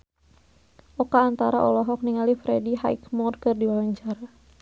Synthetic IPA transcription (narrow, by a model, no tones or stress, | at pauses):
ʔɔkaːnt̪aɾa̰ʔɔlɔɦɔk̚niŋalifɾɛdiɦa̰ikmɔrkɨrdiwawaɲt͡ʃaɾa